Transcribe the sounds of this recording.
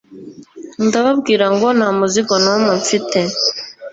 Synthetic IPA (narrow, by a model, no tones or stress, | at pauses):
ndaβabɡiːɾaŋɡonamuziɡonomuɱfite